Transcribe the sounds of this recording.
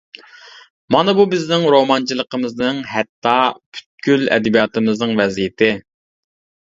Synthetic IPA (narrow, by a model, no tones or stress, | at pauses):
mɑnɨbubɪznɪŋɾomɑnt͡ʃʰilˠəqəmɨznɨŋɦɛt̪ʰːɑpʰy̥t̪̚kʲylɛ̰d̪ɛbijɑːt̪ɨmɨznɨŋvɛzijɪt̪ʰɪ